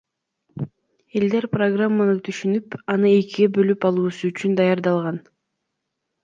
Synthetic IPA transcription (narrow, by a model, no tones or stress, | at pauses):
e̞ld̪e̞ɾproɡramːanɯt̪ʰyʃynypɑnɯe̞kiɡebø̞lypɑlˠuːsuyt͡ʃynd̪ɑjɑɾd̪ɑlˠʁɑn